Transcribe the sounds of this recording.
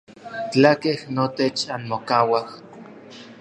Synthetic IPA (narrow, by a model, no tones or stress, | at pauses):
t͡ɬakehnot̪et͡ʃanmokawah